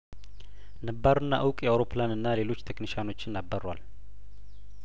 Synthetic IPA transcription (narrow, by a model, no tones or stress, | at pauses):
nəbːaɾɨnːa̰ʔəwkʼjɛawɾo̞planɨnːale̞lo̞t͡ʃːt̪ʰekniʃano̞t͡ʃːɪnːabːərwa̰l